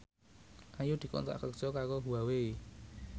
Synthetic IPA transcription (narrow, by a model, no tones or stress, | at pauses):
ʔajud̪̥i̤kɔ̰nt̪a̰ʔkə̥ʒ̥ɔkakoɦuawe